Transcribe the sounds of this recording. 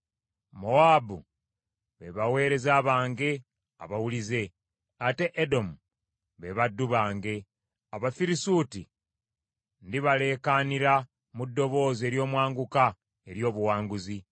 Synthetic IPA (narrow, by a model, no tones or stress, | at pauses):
mo̞aːbṵ | βe̞̰βawe̞ːɾe̞zaːβaːŋɡe̞ | a̰βawulize̞ | ate̞ʔːdo̞mu | βe̞βadːuβaːŋɡe̞ | aβafiɾisuti | ndiβale̞ːkaniɾa | mudːo̞βo̞ːze̞ːɾjo̞ːmwaːŋɡuka | e̞ɾjo̞ːβuwaːŋɡuzi